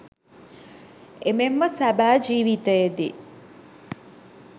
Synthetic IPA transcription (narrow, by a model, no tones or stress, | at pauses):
ememːəsæbæːd͡ʒiːʋit̪əjed̪ḭ